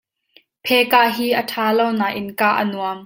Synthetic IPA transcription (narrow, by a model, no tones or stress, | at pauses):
pʰɛkaʔɦiːʔəʈʰaːlownaːʔɪnkaːʔə̰nuəm